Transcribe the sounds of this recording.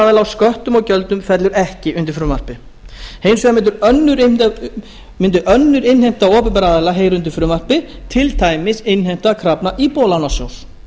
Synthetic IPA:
aðɛlawskœht̪ʏmɔɣcœlt̪ʏmfɛt̪lʏɾɛhcɪʔʏnt̪ɪɾfɾʏːmar̥pɪ | heːjmsɛamɪnt̪ʏɾœnːʏɾ | mɪnt̪ʏʔœnːʏɾɪnhejm̥t̪awɔːpɪpɛɾaːðɛlaɦeːjɾʏʏnt̪̬ɪɾfɾʏmar̥pɪ | t̪ʰɪlt̪ʰaːjmɪsɪnɦejm̥t̪akʰɾapnaʔipɔːlawnasjo̰ws

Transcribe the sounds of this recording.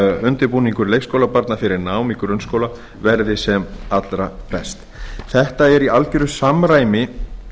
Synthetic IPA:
ʏnt̪ɪɾpuːniŋkʏɾlejkskowlapaɾt̪nafɪɾɪɾnaːwmikʏɾʏnskowla | vɛɾðɪsɛmat̪lɾapɛst̪ | θɛht̪aɛɾialcʏɾʏsamɾaːjmɪ

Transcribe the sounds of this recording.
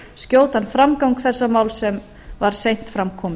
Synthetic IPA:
scjoːwt̪anfɾamkawŋkθɛsːamaːwlsɛm | vaɾ̥sejn̥t̪fɾamkʰɔːmɪ

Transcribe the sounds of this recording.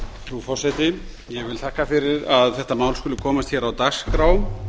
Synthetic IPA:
fɾufɔɾsɛjt̪ɪ | jɛɣvɪlt̪ʰahkafɪɾɪɾaðθɛht̪amaːwlskʏlʏkʰɔːmast̪çɛɾawt̪askɾaːwm

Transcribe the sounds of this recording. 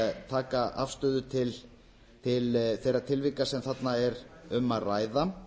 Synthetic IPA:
t̪ʰaːkaʔa̰fst̪ʏːðʏt̪ʰɪl | t̪ʰɪlθejɾat̪ʰɪlvɪkːasɛmθat̪naɛɾʏmaraːjða

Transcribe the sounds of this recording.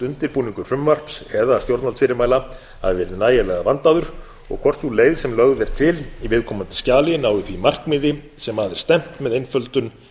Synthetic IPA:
t̪ʏnt̪ɪɾpuːniŋkʏɾ̥fʏmvar̥psɛðaast̪jowɾt̪alfɪɾɪmaːjla | ha̰ðɪvɛːɾɪðnaːjalɛɣavant̪aðʏɾ̥ | ɔ̰ɣkʰvɔr̥t̪suleːjðsɛmlœɣðɛɾ̥t̪ʰɪlivɪðkʰɔːmant̪ɪ̥scaːlɪnaːwɪθimar̥kmɪːðɪ | sɛmaðɪɾ̥st̪ɛm̥t̪mɛðejnfœlt̪ʏn

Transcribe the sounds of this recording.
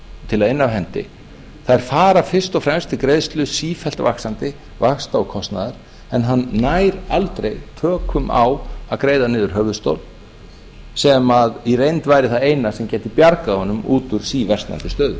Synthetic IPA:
t̪ʰɪlaðɪnːavɦɛnt̪ɪ̰ | θaðɛɾ̥faːɾafɪr̥st̪ɔfɾɛmst̪ɪkɾejðst̪lʏsiːfɛlt̪va̰ksant̪ɪ | vakst̪awkʰɔst̪naðɪɾ̥ | ɛnɦanːajɾalt̪ɾejt̪ʰœːkʰʏma̰waðkɾeːjðanɪːðʏɾ̥ɦœvðʏst̪o̰wl | sɛmaðirejnt̪vaːjɾɪθaðejnasɛmcɛːt̪ɪpjaɾkahɔnːʏmuːt̪ʏɾ̥siːvɛr̥st̪a̰nt̪ɪst̪œːðʏ

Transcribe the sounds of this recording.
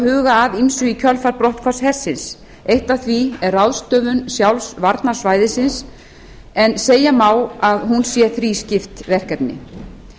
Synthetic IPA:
hʏːɣaːðinsʏicʰœlfaɾpɾɔht̪̚kʰvashɛr̥sːɪns | ejht̪aθviɛɾrːawðst̪œːvʏnsjawlsvaɾt̪naɾ̥svaːjðɪsɪns | ɛnseːjamaːwaðɦunsjɛθɾiscɪft̪vɛr̥kat̪nɪ̰

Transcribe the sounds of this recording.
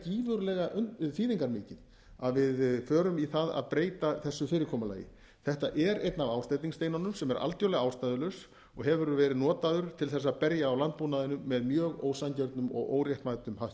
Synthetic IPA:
ciːvʏɾlɛɣaʔʏnfiːðiŋkaɾmɪːcɪn | aðvɪðfœːɾʏmiθaða̰ðpɾeːjt̪aθɛsːʏfɪːɾɪɾkʰɔːmala̰jɪ̰ | θɛht̪aʔɛɾḛjt̪navaːwst̪ajt̪iŋst̪eːjnanʏmsɛmɛɾʔa̰lt̪jowlɛɣaːwst̪ajðʏlœs | ɔɣɦɛvʏɾʏvɛːɾɪðnɔːt̪aðʏɾ̥t̪ʰɪlθɛsːapɛɾjaːwlant̪̚puːnaðɪnʏmːɛðmjœːɣo̰ːwsancɛɾt̪nʏmɔ̰ɣo̰ːwrjɛht̪majt̪ʏmhawt̪

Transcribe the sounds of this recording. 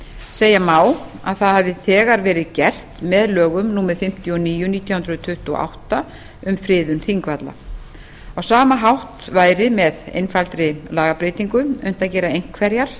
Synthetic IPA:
seːjamaːwa̰ðθaðhavðɪθɛːɣaɾvɛːɾɪðcɛr̥t̪mɛðlœːɣʏmnuːmɛðfɪm̥t̪jɔniːjʏniːt̪jawhʏnd̪ɾʏt̪ʰʏht̪uɔ̰a̰wht̪a | ʏmfɾɪːðʏnθiŋkvat̪la̰ | awsaːmaɦawht̪vaːjɾɪmɛðḛjnfalt̪ɾɪlaːɣapɾeːt̪iŋkʏʏ̰n̥t̪aðcɛːɾaejŋ̥kʰvɛɾjaɾ̥

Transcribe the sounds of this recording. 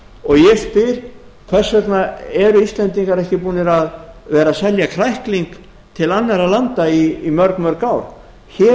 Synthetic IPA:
ɔɣjɛspɪɾ̥kʰvɛ̥sɛt̪naɛɾʏist̪lɛnt̪iŋkaɾɛhcɪpuːnɪɾaðvɛːɾasɛljakʰɾajhkliŋk | t̪ʰɪlanːaɾalant̪aiːmœɾkmœɾkaːwɾ̥ | çɛ

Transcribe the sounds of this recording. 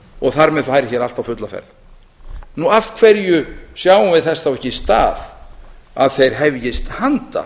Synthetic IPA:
ɔɣθaɾmɛðfaːjɾɪçjɛɾalt̪awfʏt̪lafɛ̰ɾð | nuaft̪kʰvɛɾjʏsjaːwʏvɪðθɛsθawɛhcːɪst̪aːð | aðθejɾ̥ɦɛvjɪst̪hant̪a̰

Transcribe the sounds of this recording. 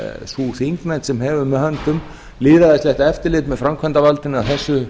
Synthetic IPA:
suθiŋknajnt̪sɛmɦɛːvʏmːɛðhant̪ʏm | lɪːðɾaðɪst̪lɛht̪aɛft̪ɪɾlɪːt̪mɛðfɾamkʰvant̪avalt̪ɪnawθɛsːʏ

